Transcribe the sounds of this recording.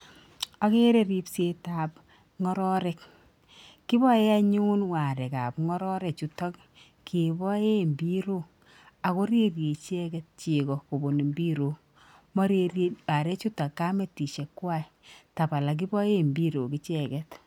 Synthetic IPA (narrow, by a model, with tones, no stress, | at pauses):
a˨ke˦ɾe˦ɾi˨pse˦ta˨p | ŋɔ˦ɾɔ˦ɾɛ˨k | kːi˦bɔ˦je˦a˦ɲu˦nwa˨ɾɛ˨ka˨pŋɔ˦ɾɔ˦ɾɛ˨t͡ʃu˦tɔ˦k | kʰe˨bɔ˦je˦mbi˦ɾo˦ | a˨ko˦ɾe˦rje˨t͡ʃɛ˦kɛ˦t̚t͡ʃe˨kɔ˨ko˨bo˨ni˨mbi˦ɾo˨ | mɔ˦ɾe˦a˨ɾe˦t͡ʃu˦ta˨kːa˦me˨ti˨ʃɛ˨kːwa˦˨i | ta˨pa˨la˨k̬i˦bɔ˦je˦mbi˦ɾo˨ki˦t͡ʃɛ˨kɛ˦t